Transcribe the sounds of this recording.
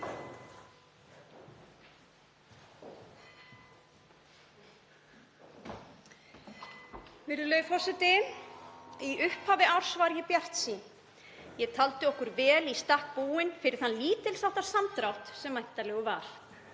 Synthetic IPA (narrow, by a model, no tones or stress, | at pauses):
vɪɾðʏlœːjfɔrsɪt̪ɪ | iʔʏhphaːvɪawr̥svaɾjɪpjar̥t̪si | jɛt̪ʰalt̪ʏɔhkʏɾvɛːlist̪ahk̚puːɪnfɪɾɪɾ̥θanliːt̪ɪlsawht̪asamt̪ɾawht̪sɛmːajht̪alɛːɣʏva̰ɾ̥